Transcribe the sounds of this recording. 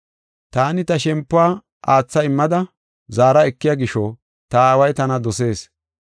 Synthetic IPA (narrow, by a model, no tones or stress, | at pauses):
t̪aːnɪt̪ɐʃɛmpːʊaː | ʔaːt͡sːɐɪmːɐd̪ɐ | zaːɾɐɛkːɪjaɡɪʃɔ | t̪ɐaːwɐjt̪ɐnɐd̪ɔse̞ːs